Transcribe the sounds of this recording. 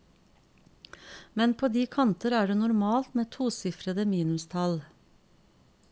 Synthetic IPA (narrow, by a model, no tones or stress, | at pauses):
mɛnpʰoːd̪iːkʰɑnt̪əɾæːɖeːnʊɾmɑːlt̪meːt̪ʰuːsɪfɾəd̪əmiːnʉst̪ʰɑl